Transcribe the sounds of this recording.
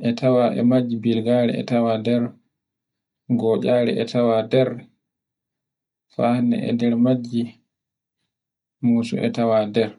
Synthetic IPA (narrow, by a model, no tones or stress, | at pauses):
ʔɛtʰawaʔɛ̰mad͡ʒːibilɡaɾɛ̰ɛ̰tawadɛɾ | ɡɔːɟaːɾɛ̰ʔɛtawadɛɾ | fahnɛ̰ɛ̰dɛɾmad͡ʒːi | muːsṵʔɛ̰tawadɛɾ